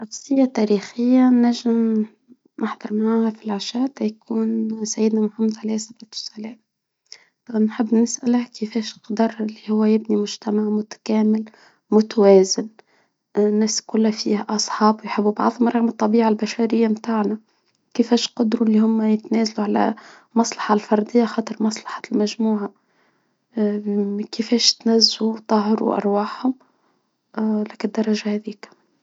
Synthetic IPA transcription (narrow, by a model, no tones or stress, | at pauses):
nafsɪjːat̪æːɾiːxɪjːanæʒɪm | ʔaħd̪ˤɑɾˤmaʕaːhæfilʕaʃæːt̪hjkuːnsajːɪd̪namʊħamːad̪ʕalijːsabɑt̪ʊ̥sælɛːm | ɑnħɪbːnɪsʔalahkɪfɛːʃqd̪ɑɾˤɪlːihʊwːæjɪbnimʊʒt̪amaʕmʊt̪ḁkæːmɪl | mʊt̪awɛːzɪn | nːæːskʊlːæfiːhæʔɑsˤħɑːbwjħɪbːubɑ̰ʕðˤhʊmɾˤɑɣmɨt̪ˤːɑbiːʕalbæʃæɾɪjːamt̪aːʕnæ | kəfɛːʃqɑd̪ɾulːihʊmːæjɪt̪næːzaluʕalæ̰ | mɑsˤlɑħɑlfɑɾˤd̪ɪjːaxɑːt̪ˤɨɾˤmɑsˤlɑ̥ħɑ̥lmæʒmuːʕa | kɪfɛːʃt̪næzːut̪ˤɑɦɾṵʔɑ̰ɾˤwaːħhʊm | lækɪd̪ːɑɾˤːɑʒahæðiːk